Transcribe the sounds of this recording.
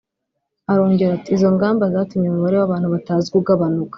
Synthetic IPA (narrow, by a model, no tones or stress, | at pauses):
aɾo̞ːɲɟe̞ɾatiːzo̞ŋɡaːmbazaːtumɲeumuβaɾewaβaːn̥huβataːziɡuɡaβanukḁ